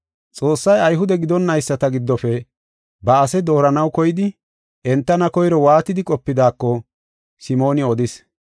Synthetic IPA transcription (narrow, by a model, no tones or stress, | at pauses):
t͡sʼo̞ːsːɐjɐjɦʊd̪ɛɡɪd̪ɔnːɐjsːɐt̪ɐɡɪd̪ːɔfɛ | bɐɐsɛd̪o̞ːɾɐnɐwkɔjɪd̪ɪ | ʔɛnt̪ːɐnɐkɔjɾɔwaːt̪ɪd̪ɪkʼɔpːɪd̪aːkːɔ | sɪmo̞ːnɪɔd̪ɪs